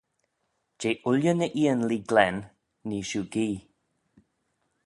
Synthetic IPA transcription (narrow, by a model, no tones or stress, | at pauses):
d͡ʒeːʔʊljənəʔiənliːɡlɛnː | iːʃuːɡiː